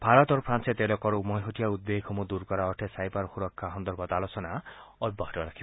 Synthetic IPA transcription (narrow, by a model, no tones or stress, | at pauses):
bʱaɾɔt̪ɔɾpʰɾanset̪elɔkɔɾumɔjɦoʈijaud̪ːekʰɔmud̪uɾkɔɾaɔʈʰesajpaɾxuɾɔkʰːaɦɔnd̪ɔɾbɔt̪alosɔna | ɔbɔɦɔʈɔaɾakʰi